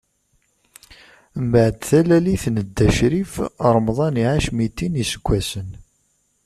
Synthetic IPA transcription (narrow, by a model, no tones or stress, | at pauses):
mbəʕd̪θælæliθnəd̪ːæʃɾifɾˤmðˤɑniʕaʃmit̪ːinisə̥ɡʷːæsən